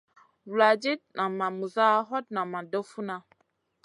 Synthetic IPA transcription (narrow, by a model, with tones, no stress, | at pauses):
wla˨d͡ʒe˦tnã˨mã˨mũ˨za˦ɦɔ˦t̚nã˨mã˨do˦fu˦nã˨